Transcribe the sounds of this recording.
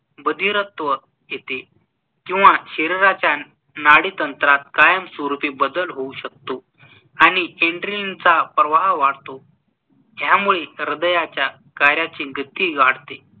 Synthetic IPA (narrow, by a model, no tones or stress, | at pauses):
bəd̪ʱiɾət̪ʋə | jet̪e | kĩw̃ʋaɕeɾiɾat͡ɕja | naɽit̪ənt̪ɾat̪̚kajəmsoɾupiːbəd̪əlɦouɕək̚t̪o | añieɳɖɾiint͡sapɾəʋaɦʋaɽt̪o | ɦjamuɭeɾəd̪əjat͡ɕja | kaɾjat͡ɕiːɡʱət̪iːɡaɽt̪e